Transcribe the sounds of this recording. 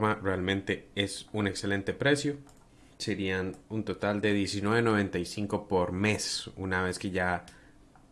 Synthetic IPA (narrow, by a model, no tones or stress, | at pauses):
marealmẽ̞nt̪e̞e̞sune̞kse̞le̞nt̪e̞pɾe̞sjo̞ | se̞ɾianunt̪o̞t̪ald̪e̞ðje̞sinweβeno̞βẽ̞nt̪ajsiŋko̞poɾme̞sṵnaβ̞e̞ske̞ʝa